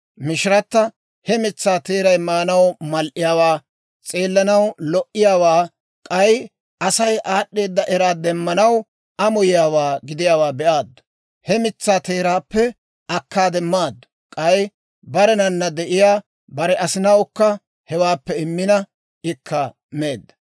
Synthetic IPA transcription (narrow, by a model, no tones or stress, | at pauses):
mɪʃɪɾɐt̪ːɐ | hɛmɪt͡sːaːt̪e̞ːɾɐjmaːnɐwmɐlʔɪjaːwaː | t͡sʼe̞ːlːɐnɐwlɔʔːɪjaːwaː | kʼɐj | ʔɐsɐjʔaːɗːe̞ːd̪ːɐʔɛɾaːd̪ɛmːɐnɐw | ʔɐmɔjɪjaːwaːɡɪd̪ɪjaːwaːbɛʔaːd̪ːʊ̥ | hɛmɪt͡sːaːt̪e̞ːɾaːpːɛ | ɐkːaːd̪ɛmːaːd̪ːʊ̥ | kʼɐj | bɐɾɛnɐnːɐd̪ɛʔɪjaː | bɐɾɛʔɐsɪnɐwkːɐ | hɛwaːpːɛɪmːɪnɐ | ɪkʰːɐ | meːd̪ːɐ̥